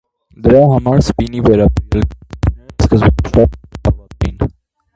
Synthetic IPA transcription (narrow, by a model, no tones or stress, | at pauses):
d̪əɾɑɦɑmɑɾspinivɛɾɑbɛl | skəzbvɑt̪ḭn